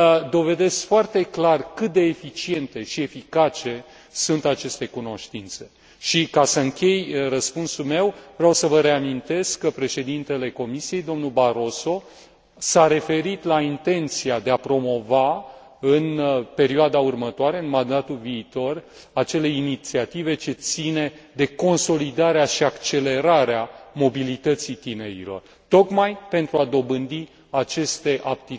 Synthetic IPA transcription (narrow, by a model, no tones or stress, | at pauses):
d̪o̞ve̞d̪e̞skfoart̪e̞klarkɨt̪̚d̪e̞ːfit͡ʃie̞nt̪e̞ʃie̞fikat͡ʃe̞ | sunt̪at͡ʃe̞st̪e̞kuno̞ʃt̪int̪se̞̥ | ʃikasəɨŋkʲe̞jrəspunsulme̞wvɾeawsəvəɾe̞amint̪e̞skːəpɾe̞ʃe̞d̪int̪e̞le̞ko̞misije̞jd̪o̞mnulbaɾo̞so̞ | saɾe̞fe̞ɾit̪laint̪e̞nt̪siad̪eapɾo̞mo̞va | ɨnpe̞ɾioad̪aurmət̪oaɾe̞ɨnmand̪at̪ulviːt̪o̞r | at͡ʃe̞le̞init̪siat̪ive̞t͡ʃe̞t̪sine̞d̪e̞ko̞nso̞lid̪aɾeaʃiakt͡ʃe̞le̞ɾaɾeamo̞bilit̪ət̪sit̪ine̞ɾḭlo̞̰r | t̪o̞kmajpe̞nt̪ɾuad̪o̞bɨnd̪i | at͡ʃe̞st̪e̞ʔap̚t̪i